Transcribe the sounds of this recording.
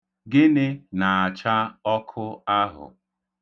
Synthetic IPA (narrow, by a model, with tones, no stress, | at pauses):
ɡɪ˦nɪ˦na˨a˨t͡ʃa˦ɔ˦kʰʊ˦a˦ɦʊ̰˨